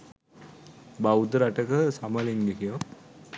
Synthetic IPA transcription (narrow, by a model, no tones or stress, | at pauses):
bawd̪əɾaʈəkəsaməliŋɡekiʋɐ